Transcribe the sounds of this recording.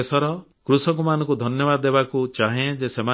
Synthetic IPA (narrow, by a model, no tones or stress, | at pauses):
esɔɾɔ | kɾusɔŋkumanɔ̃ŋkud̪ʱɔnjɔbad̪ɔd̪ebakut͡ʃaɦẽd͡ʒesema